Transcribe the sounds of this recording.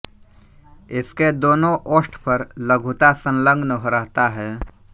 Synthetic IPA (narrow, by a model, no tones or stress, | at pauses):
ɪsked̪oːnõʔoːsʈpəɾlɐɡʱut̪asə̃nlə̃ŋɡnɦoɾəɦt̪aɦɛː